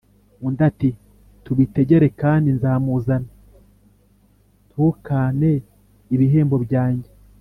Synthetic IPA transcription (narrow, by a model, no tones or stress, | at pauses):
undati | tuβite̞ɟe̞ɾe̞kaːndinzaːmuzana | tuːkane̞ | iβiɦe̞ːmbo̞bɟaːɲɟe